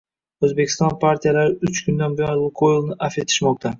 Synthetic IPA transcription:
ɵzbekʲʰɪst̪ɒnpʰaɾt̪ʰijalaɾɪʊt͡ʃkʰʊnd̪anbɪjɒnlˠʊqʰolˠnɪʔafe̞t̪ʰɪ̥ʃmɒq̚t̪ʰa

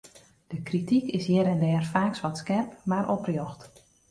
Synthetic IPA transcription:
d̥əkritikɪsjɪɾɛndɛːrfaːksʋɔtskɛrpmaɾʔɔprjoxt

